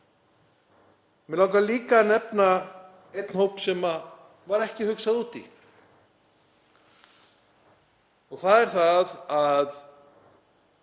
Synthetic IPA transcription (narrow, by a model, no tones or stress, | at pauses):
mɛlawkaliːkanɛpna | ejt̪n̥howpsɛma | vaɾɛhcɪhʏksaðuːt̪ḭ | ɔɣθaðɛɾ̥θaðað